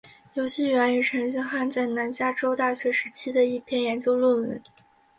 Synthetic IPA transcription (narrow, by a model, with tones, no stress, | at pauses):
jo˧˥ʊɕi˥˩ɥɛ˧˥ny˨˩ʈ͡ʂʰɤ˧˥ŋɕ̬i˥ŋxa˥˧nt͡sa˥˩ɪna˧˥nt͡ɕja˥ʈ͡ʂo˥ʊt̪a˥˩ɕɥɛ˧˥ʂɻ̩˧˥t͡ɕʰi˥d̪ə˨i˥˩pʰjɛ˥˩njɛ˧˥nt͡ɕjo˥ʊlwə˥˩nwə̰˧˥n